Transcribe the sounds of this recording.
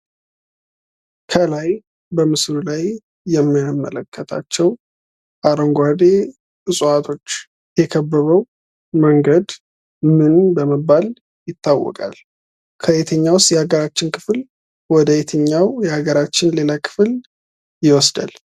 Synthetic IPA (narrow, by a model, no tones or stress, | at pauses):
kʰəlaj | bəmɨsɾulajː | ɛmːaamːə̰ləkʰːət̪ʰa̰t͡ʃːɛw | ʔaɾəŋɡʷad̪e | ɨsʼuat̪ʰo̞t͡ʃː | jɛkʰəbːəβəw | məŋɡəd̪ | mɨnbəməbːal | jɪt̪ːawːɔ̰kʼa̰l | kʰəʔet̪ʰəɲːawʊst̪jɛhaɡəɾat͡ʃːɪnkʰɨ̥fl | wɔd̪əet̪ʰəɲːawjɛhaɡəɾat͡ʃːɪnle̞lakʰɨ̥fl | jɪwɔsd̪a̰l